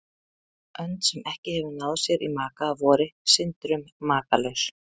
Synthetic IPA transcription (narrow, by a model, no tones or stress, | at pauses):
ʔœnt̪sɛmʔɛhcɪhɛvʏnaːwðsjɛɾʔimaːkaːvɔːɾɪsɪnt̪ɾʏmːaːkalœɥs